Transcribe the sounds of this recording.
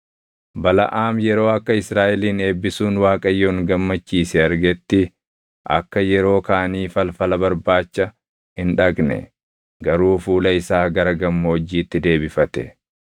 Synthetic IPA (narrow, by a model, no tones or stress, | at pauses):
bɐlɐ̰ʔaːmjɛɾo̞ːɐkːɐɪsɾaːʔɛliːne̞ːbːɪsuːnwaːkʼɐjːoŋɡɐmːɐt͡ʃːiːsɛɐɾɡɛt̪ːɪ | ʔɐ̰kːɐjɛɾo̞ːkaːniːfɐlfɐlɐbɐɾbaːt͡ʃːɐ | hɪnᶑɐɡnɛ̰ | ɡɐɾuːfuːlɐɪsaːɡɐɾɐɡɐmːɐːd͡ʒiːt̪ːɪd̪e̞ːbɪfɐt̪ɛ̰